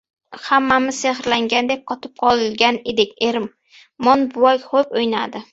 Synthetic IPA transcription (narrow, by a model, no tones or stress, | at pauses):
hamːamɪz̥seχɾlaŋɡʲand̪ep̚qʰɒt̪ʰɪ̥p̚qʰɒlˠɪlɡʲaned̪ɪkʲe̞ɾɪm | mɒnbʊwɒjχopojnad̪ɪ